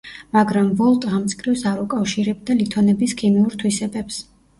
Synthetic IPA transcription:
maɡɾamvɔlˠt̪ʼʁamt̪sʼkʼɾivsaɾukʼafʃiɾɛb̚d̪alit̪ʰɔnɛbiskʰimiuɾt̪ʰwisɛbɛps

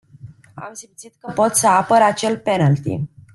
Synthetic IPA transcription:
a̰msimt̪sit̪̚kəpo̞t̪səapəɾat͡ʃe̞lpe̞nalt̪ḭ

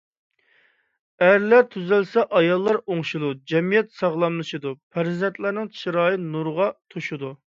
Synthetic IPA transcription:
æɾlæɾt̪ʰyzɪlsɛʔɑjɑlˠːɑɾoŋʃud̪ud͡ʒɛmijɛt̪sɑʁlˠɑmlˠɨʃid̪upʰæɾzɛnt̪læɾnɪŋʃʰiɾɑːjɨnuɾʁɑt̪ʰoʃud̪u

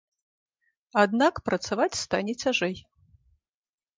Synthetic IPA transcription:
ad̪nakpɾɐt̪savat͡sʲst̪anʲɛt͡sʲaʐɛj

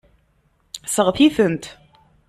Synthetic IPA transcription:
səʁəθiθənt̪

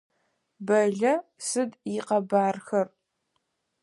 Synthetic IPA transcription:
bɐɮɐsɨdjiqɐbaːrxɐr

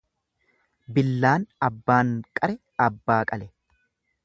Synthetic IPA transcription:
bɪlːaːnɐbːaːŋkʼɐɾɛ | ɐbːaːkʼɐlɛ

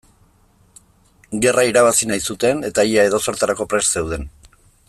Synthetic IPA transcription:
ɡe̞rʔaiɾaβ̞asinajsut̪e̞ne̞t̪aʎae̞ð̞o̞so̞ɾt̪aɾako̞pɾe̞sse̞wð̞e̞n

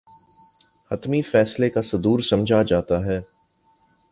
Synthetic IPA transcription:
hɐt̪mifɛːslekasɐd̪uːɾsɐmd͡ʒʱad͡ʒaːt̪aɦɛː

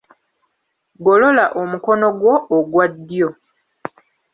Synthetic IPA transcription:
ɡo̞lo̞laʔomuko̞no̞ɡwo̞ʔːɡwadːjo̞

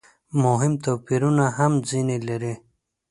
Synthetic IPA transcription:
moɦimt̪oːpiɾunaɦɐmzinelɐɾe

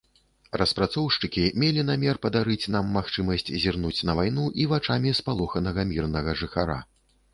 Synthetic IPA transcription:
rɐspɾat̪sɔwʂt͡ʂɨkʲimʲelʲin̪amʲɛrpɐd̪aɾɨt͡sʲnamːaxt͡ʂɨmɐsʲt͡sʲzʲirnut͡sʲnɐvajn̪uʔivat͡ʂamʲispalˠɔxɐnɐɣɐmʲirnɐɣɐʐɨxaɾa̰

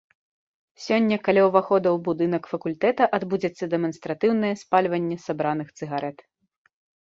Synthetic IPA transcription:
sʲɔnʲːɐkalʲawvaxɔd̪ɐwbud̪ɨnɐkfɐkulʲt̪ɛt̪ɐʔad̪bud͡zʲɐt̪sːɐd̪ɛmɐnst̪ɾat̪ɨwn̪ɐjɛspalʲvɐnʲːɛsabɾanɨxt̪sɨɣaɾʔɛt̪

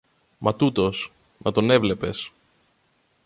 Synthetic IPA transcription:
mʔɐt̪ut̪o̞s | nʔɐt̪o̞ne̞vle̞pe̞s

